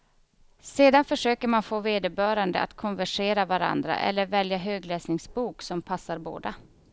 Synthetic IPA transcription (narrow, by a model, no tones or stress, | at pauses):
seːd̪anfœʂøːkəɾmanfoːveːd̪əbœːɾand̪ə̰ʔa̰t̪kʰɔnvæʂeːɾavaɾa̰nd̪ɾa̰ʔɛ̰lːəɾvɛljaɦøːɡlɛːsnɪŋsbuːksɔmpʰasːaɾbo̰ːd̪a